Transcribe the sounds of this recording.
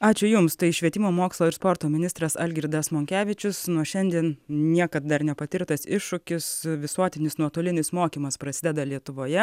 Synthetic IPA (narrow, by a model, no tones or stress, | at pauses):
ɑːt͡ʃʲʊjʊmst̪ɐɪʃʲʋʲiɛt̪ʲɪmoːmoːkslˠoːɪɾspoːɾt̪oːmʲɪnʲɪst̪ɾɐsɐlʲɡʲɪɾʲd̪ɐsmoːŋʲkʲæːʋʲɪt͡ʃʲɪsnuʃʲɛnʲd̪ʲiɛnnʲiɛkɐt̪̚d̪ɐɾnʲɛpɐt̪ʲɪɾkt̪ɐsɪʃːʊkʲɪsʋʲɪsuɔt̪ʲɪnʲɪsnuɔt̪oːlʲɪnʲɪsmoːkʲiːmɐspɾɐsʲɪd̪ʲɛd̪ɐlʲiɛt̪ʊʋoːjɛ